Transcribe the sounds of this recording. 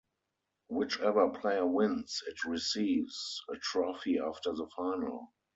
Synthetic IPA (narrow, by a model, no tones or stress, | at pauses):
wɪt͡ʃɛvə˞pʰleɪə˞wɪ̃nsɪtɹisiːvzətʰɹɔfiaftə˞ðəfaɪnə̰l